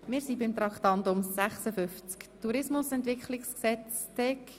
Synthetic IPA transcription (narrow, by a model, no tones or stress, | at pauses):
mɪːɾsibɪmt̪ɾɑkχt̪ɑntʊmsæχsəfʏft͡skt̪uɾɪsmʊsɛnt̪ʋɪkχlɪksksɛt͡s | tɛk